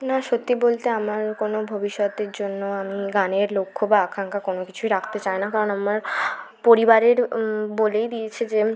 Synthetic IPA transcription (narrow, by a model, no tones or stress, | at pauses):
naʃot̪ːibolt̪eamaɾkonobʱobiʃːɔt̪eɾd͡ʑonːoamiɡaneɾlokʰːobaakʰaŋkakonokit͡ɕʰuiɾak̚ʰt̪et͡ɕaenakaɾonamaɾ | poɾibaɾeɾbolejd̪ijet͡ɕʰid͡ʑe